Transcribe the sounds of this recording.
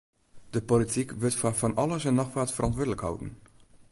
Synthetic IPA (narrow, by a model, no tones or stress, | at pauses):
d̥əpolitikvɪtfafɑnʔɑləzənːɑxvaːtfəɾɑntwuədələkhɑ̰wdə̰n